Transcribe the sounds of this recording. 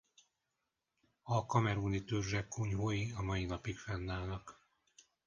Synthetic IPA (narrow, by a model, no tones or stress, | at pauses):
ɒkɒmɛɾunit̪ørʒɛkːuɲɦojiɒmɒjinɒpikfɛnːaːlnɒk